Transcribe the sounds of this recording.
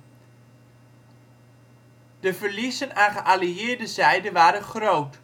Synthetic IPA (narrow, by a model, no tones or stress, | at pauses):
d̥əvərlizənaχəʔaliɪːɹdəzɛjdəʋaːɾəχrowt